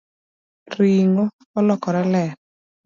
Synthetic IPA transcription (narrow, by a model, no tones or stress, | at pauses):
ɾiŋokɔlɔkɔɾɛlɛ